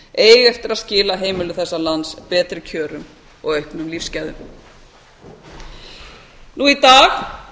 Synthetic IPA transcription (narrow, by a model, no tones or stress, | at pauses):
eːjɣɛft̪ɪɾaðscɪːlaɦeːjmɪlʏθɛsːalanspɛːt̪ɾɪcʰœːɾʏm | ɔɣœɥhpnʏmlifscɛðʏ̰m | nuit̪aːx